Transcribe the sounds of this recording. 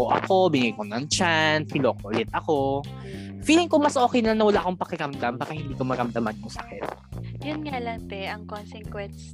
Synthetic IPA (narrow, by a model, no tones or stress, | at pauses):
oʔɐ̰ko̞bɪŋajkonɐŋt͡ʃanfilokoʔʊlɪt̪̚ɐko̞ | fiːlɪŋkoŋmɐsʔo̞ːkɛjnɐnɐwɐlaʔɐkoŋpɐkɪɾɐmd̪ambaːkɐhɪnd̪iːkomɐɾɐmd̪ɐmɐnkʊŋsɐkɛt̪̚jʊnŋalɐnt̪ɛʔɐŋkonsɛŋkwɛns